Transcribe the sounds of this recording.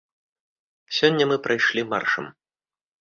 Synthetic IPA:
sʲɔnʲːɐmɨpɾʔɐjʂlʲima̰rʂɐ̰m

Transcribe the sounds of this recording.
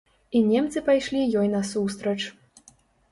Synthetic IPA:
inʲɛmt̪sɨpajʂlʲijɔjnɐsust̪ɾɐt͡ʂ

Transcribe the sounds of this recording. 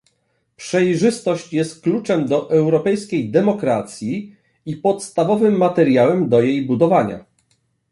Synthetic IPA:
pʂɛjʐɘst̪ɔɕt͡ɕjɛst̪̚klut͡ʂɛmd̪ɔʔɛwɾɔpɛjskʲejd̪ɛmɔkɾat̪sʲji | ipɔt̪st̪avɔvɘmːat̪ɛɾʲjawɛmd̪ɔjejbud̪ɔvaɲa̰

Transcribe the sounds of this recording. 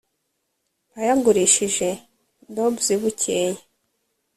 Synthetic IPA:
ajaɡuɾiʃiʒe̞ | ndobziβucʰeje

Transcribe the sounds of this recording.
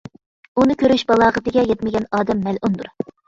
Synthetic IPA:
unɨkʲʰøɾyʃbɑlˠɑːʁət̪ɪɡʲɛjɛt̪mɪɡʲɛnɑːd̪ɛmːælʔund̪uɾ

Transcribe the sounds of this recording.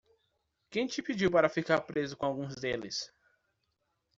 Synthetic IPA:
kẽj̃t͡ʃɪpid͡ʒiwpaɾɐfikaɾpɾezʊkõawɡũzd̪elɪs

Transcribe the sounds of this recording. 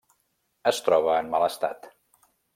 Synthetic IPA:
əst̪ɾɔβ̞əːnmaləst̪a̰t̪

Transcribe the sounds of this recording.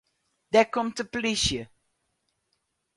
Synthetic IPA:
d̥ɛkɔmtəpliʃjə

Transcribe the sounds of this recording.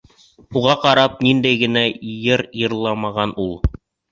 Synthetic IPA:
uʁɑqɑɾɑp̚nind̪æjɡɘ̆næjɤɾjɤ̆ɾlˠɑmɑʁɑnulˠ

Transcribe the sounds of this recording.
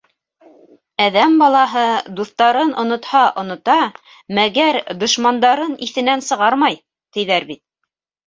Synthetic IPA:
æðæmbɑlˠɑɦɤd̪uθt̪ɑɾɤnʔŏnŏt̪hɑʔŏnŏt̪ɑ | mæɡæɾd̪ŏʃmɑnd̪ɑɾɤniθɘ̆nænsɤ̆ʁɑɾmɑj | t̪ɘ̆jðæɾbit̪̚

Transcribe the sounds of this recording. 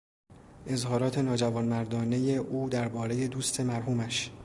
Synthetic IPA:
ʔe̞zhɒːɾɒːt̪ʰe̞nɒːd͡ʒævɒːnmæɾd̪ɒːne̞je̞ʔuːd̪æɾbɒːɾe̞je̞d̪uːst̪ʰe̞mæɾɦuːmæʃ

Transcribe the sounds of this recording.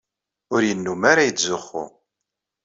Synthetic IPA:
ʊɾjənːumaɾajəzʊχːʊ̰

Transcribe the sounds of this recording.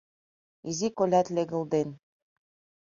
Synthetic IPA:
izikolʲæt̪lʲeɡŭlˠd̪en

